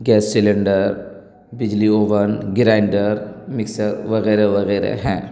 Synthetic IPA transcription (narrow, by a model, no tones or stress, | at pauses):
ɡɛːsːileɳɖəɾ | bɪd͡ʒlioːʋənɡɪɾaːɪɳɖəɾmɪksəɾʋɐɣɛːɾeʋɐɣɛːɾḛɦɛ̃ː